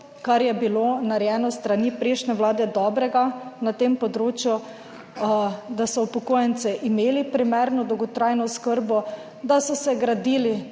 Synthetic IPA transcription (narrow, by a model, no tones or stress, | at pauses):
kaɾjɛbilonaɾjɛːnɔst̪ɾanipɾeːʃnɛʋlaːd̪ɛd̪ɔːbɾɛɡanat̪eːmpɔd̪ɾoːt͡ʃju | d̪asɔupɔkoːjɛnt̪sɛʔimeːlipɾimɛɾnɔd̪ɔwɡɔt̪ɾajnɔskəɾbɔ | d̪asɔsɛɡɾad̪iːli